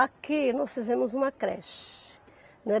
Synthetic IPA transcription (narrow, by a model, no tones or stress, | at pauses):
akɪnɔsfizẽmʊzũmɐkɾɛ̰ʃ | ñɛ